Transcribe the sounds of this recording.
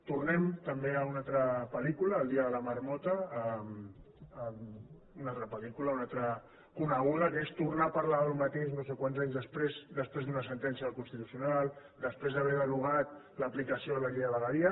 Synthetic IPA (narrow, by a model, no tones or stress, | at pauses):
t̪urnɛmt̪əmbeəunalt̪ɾəpəlikuləːlˠd̪iəðələməɾmɔt̪əəm | əm | unalt̪ɾəpəlikuləunalt̪ɾə | kunəɣ̞uðəkest̪urnapəɾlaəlmət̪eʃnos̬ekwanzaɲzðəspɾezd̪əspɾezðunəsənt̪ɛnsjəðəlˠkunst̪it̪u̥siunalˠ | d̪əspɾezðəβɛɾðəruɣ̞at̪ | ləplikəsioðələʎeəβəɣəðiə